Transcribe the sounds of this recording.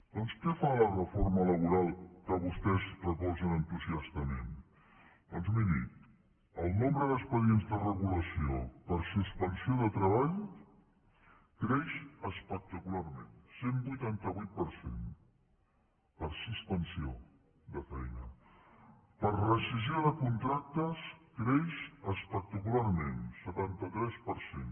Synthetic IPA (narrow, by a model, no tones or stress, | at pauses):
d̪onskɛfalərəformələβuɾalˠkəβust̪ɛzrəpɔzənənt̪uziast̪əmḛm | d̪ɔnzminḭ | əlˠnombɾəðəspəðienzðərəɣuləsiopəɾsuspənsioðət̪ɾəβ̞aʎ | kɾeʃəspək̚t̪əkularmḛ̃nsembujt̪ant̪əβujt̪̚pəɾsḛn | pəɾsuspənsio | d̪əfɛjnə | pəɾrəsiz̬ioðəkunt̪ɾak̚t̪əskɾeʃəspək̚t̪əkularmensət̪ant̪ət̪ɾɛspəɾsen